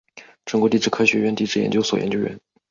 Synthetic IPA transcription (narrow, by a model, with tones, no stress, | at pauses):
ʈ͡ʂə˥ŋkwɔ˧˥t̪i˥˧˩ʈ͡ʂɻ̩˥˩kʰɤ˥ɕɥɛ˧˥ɥɛ˥˧nt̪i˥˧ʈ͡ʂɻ̩˥˩jɛ̰˧˥nt͡ɕjo˥ʊswɔ˨˩jɛ̰˧˥nt͡ɕjo˥ʊɥɛ̰˧˥n